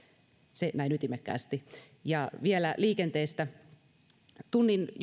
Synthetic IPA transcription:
senæinyt̪imekːæ̰ːst̪i | jɑʋielæliːkent̪eːst̪æ | t̪unːinj

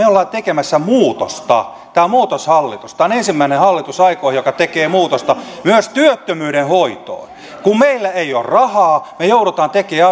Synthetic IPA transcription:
eolːɑːt̪ekemæsːæmuːt̪o̰st̪ɑ̰ | t̪æːmuːt̪oshɑlːit̪ust̪ɑːnensimːæinehɑlːit̪usɑikoːhjokɑt̪ekeːmuːt̪ost̪ɑmyøst̪yøt̪ːømyːɾenhoit̪o̰i | kummeilːæeiorrɑhɑːmejouɾot̪ɑːnt̪ekeːæɑ

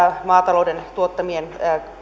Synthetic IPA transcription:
mɑːt̪ɑloudent̪uot̪ːɑmien

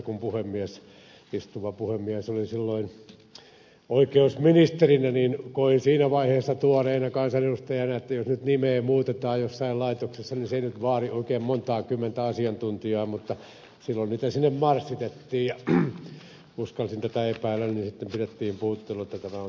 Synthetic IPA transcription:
kumpuhemːiæs | ist̪uʋɑpuhemːiæsolisilːoin | oikeusminist̪erinæniːnkoinsiːnæʋɑiheːsːɑt̪uɑreːnɑkɑnsɑneust̪ɑjɑnɑet̪ːæjosnyt̪nimeːmuːt̪et̪ɑːjjosːɑillɑit̪oksesːɑninseinyt̪ʋɑːrioˑikeːmmont̪ɑːkymːent̪æɑsiɑnt̪unt̪iɑːmut̪ːɑ | silːonniːt̪æsinːemmɑrsːit̪et̪ːiːjjɑ | uskɑlsint̪æt̪æepæːlːænninsit̪ːempiret̪ːiːmpuːt̪ːeluet̪ːæt̪æmæon

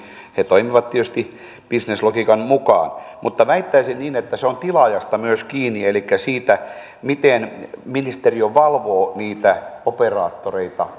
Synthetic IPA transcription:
het̪oimiʋɑt̪t̪iøst̪i | b̥isneslokikɑnmukɑ̰ːnmut̪ːɑʋæit̪ːæisinniːnet̪ːæseont̪ilɑjɑst̪ɑmyøskiːnːielikːæsiːt̪æ | mit̪enminist̪erioʋɑlʋoːniːt̪æoperɑːt̪ːoreit̪ɑ̰

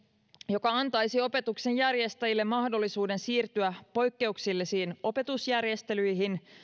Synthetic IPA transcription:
jo̞kɑɑnt̪ɑjsio̞pe̞t̪ukse̞njærje̞st̪æjilːe̞mːɑhdo̞lːisuːde̞nsiːrt̪yæpo̞jkːe̞uksilːisiːno̞pe̞t̪usjærje̞st̪e̞lyjɦin

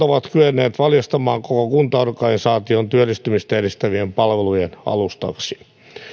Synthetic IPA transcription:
oʋɑt̪kyenːeːt̪ʋɑljɑst̪ɑmɑːŋkokokunt̪ɑorkɑnisɑːt̪iont̪yølːist̪ymist̪æerist̪æʋiempɑlʋelujenɑ̰lust̪ɑ̰ksi̥

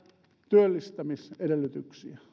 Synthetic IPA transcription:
t̪yølːist̪æmisedelːyt̪yksiæ

